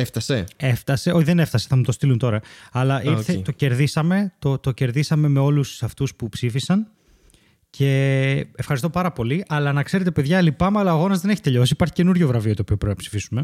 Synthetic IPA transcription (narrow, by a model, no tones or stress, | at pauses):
eft̪ɐsee̞ft̪ɐse̞oçiðene̞ft̪ɐse̞̥θɐmut̪o̞st̪ilunt̪o̞ɾɐɐlɐʔiɾθet̪o̞ce̞ɾðisɐme̞t̪o̞t̪o̞ce̞ɾðisɐme̞me̞o̞lussɐft̪uspupsifisɐn | cʰe̞efxɐɾist̪o̞pɐɾɐpo̞liʔɐlɐnɐkse̞ɾet̪e̞pe̞ðʝɐlipɐmɐlɐːɣo̞nɐzðe̞ne̞çi̥t̪e̞ʎo̞sipɐɾçi̥ce̞nuɾʝovɾɐvio̞t̪oːpio̞pɾpinɐpsi̥fisume̞